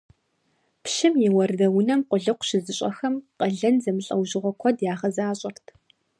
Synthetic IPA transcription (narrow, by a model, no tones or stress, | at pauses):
pʃɪmjɛwɐrdɐwʊnɐmqʷʊɮɨqʷʊ̥ʃɪzɨɕʼɐ̰xɐmqʼɐɮɐnzɐmɨɬʼɐwʒɨʁʷɔkʷʰɔdjaːʁɐzaːɕʼɐrtʰ